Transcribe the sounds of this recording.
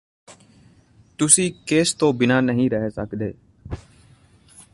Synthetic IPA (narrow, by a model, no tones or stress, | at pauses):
t̪ʊsĩːkeːst̪oːbɪnaːnəɦĩːɾəɦeːsəkd̪ḛː